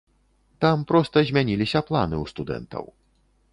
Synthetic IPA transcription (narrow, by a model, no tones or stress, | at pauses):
t̪ampɾɔst̪ɐzʲmʲanʲilʲisʲɐplˠa̰nɨust̪ud̪ɛ̰nt̪ɐ̰w